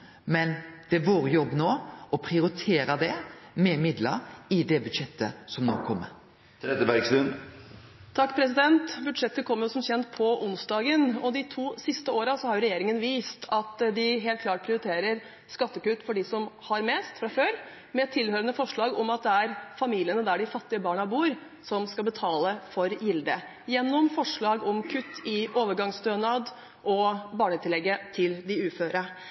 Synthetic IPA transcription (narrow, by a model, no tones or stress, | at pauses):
mɛnd̪̥ɛʋoːɾjɔbːnoːɔpʰɾɪʊɾɪt̪ʰeːɾəd̪ɛmɛmɪd̪lə̰ɾɪd̪ɛbʉd̪ʂɛt̪ʰːə̰sɔmno̰ːkʰɔmːə̰ɾ | t̪ʰɾɛd̪əbæɾɡsʉn | t̪ʰɑkːpʰɾɛsɪd̪ɛnt̪bʉd̪ʂɛt̪ːəkʰɔmːəjʊsɔmçɛnt̪pʰɔʔʊnsd̪ɑːɡənɔd̪ɪt̪ʰuːsɪst̪əoːɾɑsɔhɑɾjʊɾɛjeːɾɪŋənʋiːst̪ʰɑt̪d̪ɪɦeːlt̪̚kʰlɑːʈ̚pʰɾɪʊɾɪt̪ʰeːɾəɾ | skɑt̪ːəkʉt̪ːfɔɖɪsɔmhɑɾmeːst̪fɾɑføːɾ | mɛt̪ʰɪlhøːɾənəfɔʂɭɑːɡɔmɑt̪̚d̪ɛæɾfɑmiːlɪənəd̪æɖɪfɑt̪ːɪəbɑːɳɑbuːɾ | sɔmskɑlbət̪ʰɑːləfɔɾjɪld̪ə | jɛnːɔmfɔʂɭɑːɡɔmkʰʉt̪ːɪʔoːʋəɾɡɑŋst̪øːnɑd̪ | ʔɔbɑːɳət̪ʰɪlɛɡːət̪ʰɪld̪ɪʉːføːɾə